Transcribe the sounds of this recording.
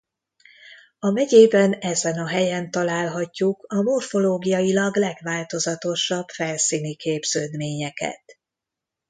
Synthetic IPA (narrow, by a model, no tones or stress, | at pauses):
ɒmɛɟeːbɛnɛzɛnɒɦɛjɛnt̪ɒlaːlɦɒcːukɒmo̞rfo̞loːɡijɒjilɒɡlɛɡʋaːlt̪o̞zɒt̪o̞ʃɒb̥fɛlsiːnikʰeːbz̥øːd̪meːɲɛkɛ̰t̪